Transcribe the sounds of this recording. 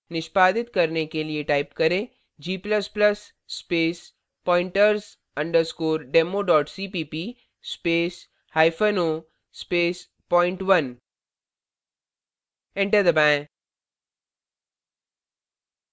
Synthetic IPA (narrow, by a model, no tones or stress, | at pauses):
nɪʃpaːd̪ɪt̪kɐɾnekelieʈaːɪpkɐɾẽː | d͡ʒiːplɐsplɐsː | peːs | pɔ̃ːɪ̃ɳʈəɾz | ɐ̃ɳɖəɾskoːɾɖeːmoɖɔːʈsiːpiːpiː | speːs | haːɪfəno | speːs | pɔːɪ̃ɳʈʋɐn | ɪ̃ɳʈəɾd̪ɐbɛ̃ː